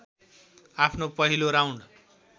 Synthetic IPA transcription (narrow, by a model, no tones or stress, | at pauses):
apʰnopʌɦiloɾawn